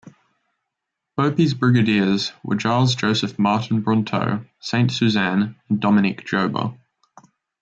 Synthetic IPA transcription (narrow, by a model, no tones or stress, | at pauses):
b̥əʊpizbɹɪɡədɪəzwə̰t͡ʃʰɑːlˠzd͡ʒəʊsəfmɑˑʔn̩bɹɒ̃ntʰə̰ʊsẽɪ̃ntsʉzæ̃nə̃ndɒmɪnɪkd̥ʒ̥əʊbə̰